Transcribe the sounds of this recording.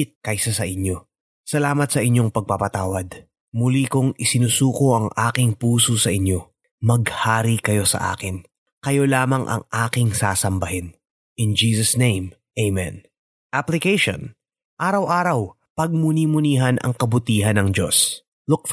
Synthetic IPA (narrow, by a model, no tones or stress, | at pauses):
ɪt̪̚kɐjsɐsɐʔɪɲjo̞ | sɐlaːmɐt̪̚sɐʔɪɲo̞ŋpɐɡ̚papɐt̪aːwɐd̪ | mʊlikʊŋɪsɪnusuːkoʔɐŋʔaːkɪŋpuːsosɐʔɪɲo̞ | mɐɡhaːɾikɐjo̞sɐ̰ʔa̰ːkɪn | kɐjo̞laːmɐŋʔɐ̰ŋʔaːkɪŋsaːsɐmbɐhɛn | ʔɪnd͡ʒiːsɐsnẽjm | ʔejmɛ̰n | ʔaplɪkejʃo̰n | ʔaːɾɐwʔaːɾɐw | pɐɡ̚munimʊniːɦɐnʔɐ̰ŋkɐbʊt̪iːɦɐnɐŋd͡ʒo̞̰s | lʊk